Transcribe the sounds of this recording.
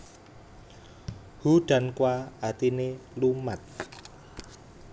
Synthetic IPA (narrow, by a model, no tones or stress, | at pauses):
huɖ̥a̤nkwaat̪inelumat̪̚